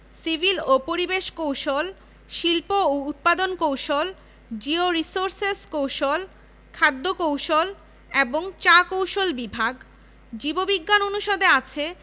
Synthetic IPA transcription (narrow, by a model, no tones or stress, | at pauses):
sibʱilopoɾibeʃkowʃol | ʃilpoout̪̚pad̪onkowʃol | d͡ʑioɾisoɾseskowʃol | kʰad̪ːokowʃol | eboŋt͡ɕakowʃolbibʱaɡ | d͡ʑibobiɡːanonuʃod̪eat͡ɕʰe